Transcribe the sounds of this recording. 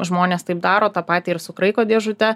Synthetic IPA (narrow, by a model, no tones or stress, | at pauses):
ʒmoːnʲeːst̪ɐɪp̚d̪ɑːɾoːt̪ɑːpɑːt̪ʲiːɪɾsʊkɾɐɪkoːd̪ʲeɛʒʊt̪ʲɛ